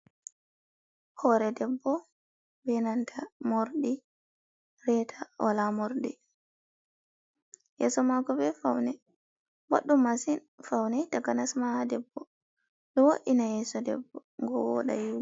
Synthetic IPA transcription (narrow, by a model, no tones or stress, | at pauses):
hɔɾɛdɛbːɔ | bɛnantʰamoɾɗi | ɾɛtʰaɔlamoɾɗi | jɛ̰sɔmaɡɔbɛfawnɛ | ba̰ɗːumasin | fawnɛtaɡanasmahadɛbːɔ | ɗɔwoɗinajɛsɔdɛ̰bːɔ | ŋɡɔ̰wɔ̰ɗa̰ji